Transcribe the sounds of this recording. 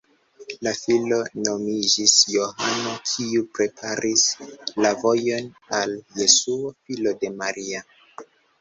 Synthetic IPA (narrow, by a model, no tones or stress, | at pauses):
lafilo̞no̞mid͡ʒisjohanokʰiupɾe̞pʰaɾʔislavo̞jo̞n | alje̞suofilo̞de̞maɾia